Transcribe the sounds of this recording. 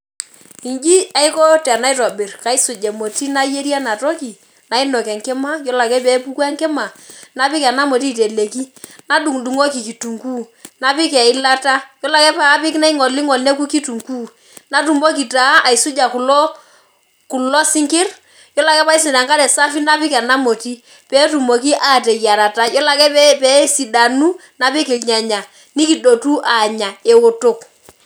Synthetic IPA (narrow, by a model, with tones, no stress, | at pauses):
i˨nd͡ʒi˦a˦ɪ˦ko˦tɛ˨na˦ɪ˦tɔ˨bɪ˨rka˨ɪ˦sʊ˨d͡ʒɛ˨mo˨ti˦na˦je˦ɾja˦na˨tɔ˦ki˨ | na˨ɪ˦no˨kɛ˨ŋkɛ˦ma˦jɔ˦la˨kɛ˦pe˨˦pu˦kwɛ˦ŋkɛ˦ma˨na˨˦pɪ˦kɛ˨na˦mo˨ti˦te˨le˨ki˦na˦du˨ŋdu˨ŋo˦ki˨ki˨tu˨ŋkuː˦ | na˨pɪ˦kɛ˨ɪ˦la˦ta˦jɔ˦la˨kɛ˦pa˨˦pɪ˦kna˦ɪ˦ŋɔ˨li˦ŋɔ˨lne˦ku˦ki˦tu˨ŋkuː˦ | na˦t̬u˨mbo˦ki˨ta˨˦a˨i˨su˦d͡ʒa˨ku˨lo˦ | ku˨lɔ˦sɪ˦ŋkɪ˦r | jɔ˦la˨kɛ˦pa˦i˦s̬ɪ˨da˨ŋka˦ɾɛ˨sa˦fi˦na˦pɪ˦kɛ˨na˦mo˨ti˦ | pɛ˦tu˨mo˨k̬i˦ʔaː˦˨te˨ja˨ɾa˨ta˦jɔ˦la˨kɛ˦pɛ˦si˨da˨nu˦ | na˨pɪ˦kɪ˨lɲa˨ɲa˨ | ni˦ki˨do˨tu˦ʔa˨ɲa˨e˨ʊ˨tʊ˦k